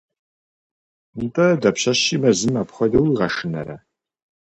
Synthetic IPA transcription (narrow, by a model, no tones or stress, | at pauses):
ntʰʼɐdɐpɕɐʃiːmɐzɨmapχʷɔdɐwiʁɐʂɨnɐ̰ɾɐ̰